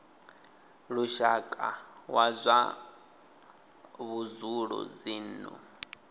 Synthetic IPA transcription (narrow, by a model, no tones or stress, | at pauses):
ɺuʃakʼawazʷa | βuzuɺɔ̰d͡ziːnṵ